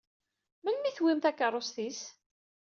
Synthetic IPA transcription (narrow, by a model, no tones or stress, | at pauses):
mənmiθwimθækːəɾˤːosθis